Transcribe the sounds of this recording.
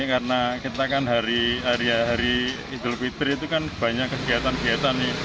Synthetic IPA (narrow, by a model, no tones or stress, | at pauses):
kaɾənakit̪akanɦaɾiɦaɾiɦaɾi | id̪ulpit̪əɾit̪ukanb̥a̤ɲakːəkiat̪anɡiat̪ane